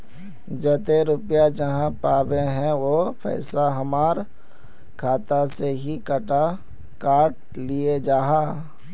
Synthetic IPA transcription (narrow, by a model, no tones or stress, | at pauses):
d͡ʒɛːt̪eɾʊpjad͡ʒəɦãpaːbeɦɛ̃ʋopʰɛ̰ːɪsaɦəmaːɾ | kʰaːt̪aseɦikəʈa | kaːʈ̚ | lied͡ʒaːɦaː